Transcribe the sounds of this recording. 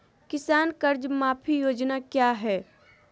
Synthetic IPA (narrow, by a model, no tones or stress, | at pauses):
kɪsaːnkɐɾd͡ʒmaːpʰijoːd͡ʒnakjaːɦɛː